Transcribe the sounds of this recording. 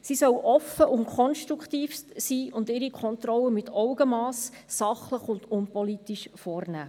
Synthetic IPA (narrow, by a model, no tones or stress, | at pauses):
sisœwʔɔfəʔʊnkʰɔnʃt̪ɾukχtiːfstsiːʊndɪɾikʰɔnt̪ɾɔlːəmɪtʰɔwɡəmɑːsː | ɑχləχʊnd̥ʊnpɔlitiʃfɔːrnæː